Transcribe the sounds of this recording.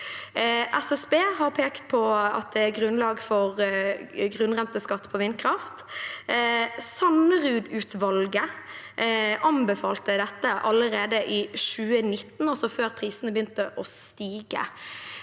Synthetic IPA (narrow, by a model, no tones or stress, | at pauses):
ʔɛsɛsbeːɦɑɾpʰeːkt̪pʰɔɑ̰t̪̚d̪ɛæɾɡʁʉnlɑːɡfɔʁ | ɡʁʉnʁɛnt̪əskɑt̪ːpʰɔʋɪnkʰɾɑft̪ | sɑnəʁʉːd̪ʉːt̪ʋɑlɡə | ʔɑmbəfɑːlt̪əd̪ɛt̪ːəʔɑləɾeːd̪əʔiːʃʉːənɪt̪ːn̩ɔsɔføːʁpʰʁiːsnəbəjʏnt̪əʔɔst̪iːɡə̰